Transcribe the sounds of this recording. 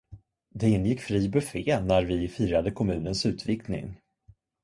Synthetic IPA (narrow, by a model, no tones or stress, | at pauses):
d̪ɛɪnːjɪkːfɾiːbɵfeːnæɾvɪfiːɾad̪əkʰɔmʉ̟ːnənsʉ̟ːt̪vɪknɪ̰ŋ